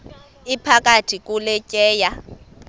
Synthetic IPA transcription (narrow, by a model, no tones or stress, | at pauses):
ipʰakʼatʰʼikʼulɛcʼɛːja